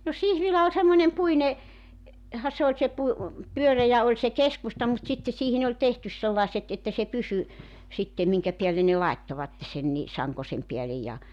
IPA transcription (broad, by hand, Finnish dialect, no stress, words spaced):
no sihʋilæ olʲ semːonʲem puine hɑ se olʲ se pu pyørejæ olʲ se keskustɑ mut sitːe siːhin olʲ tehtys selːɑˑeset etːæ se pysy sitːem miŋkæ piælːe ne lɑetːoʋɑtːe sen ni sɑŋkosem piælej jɑ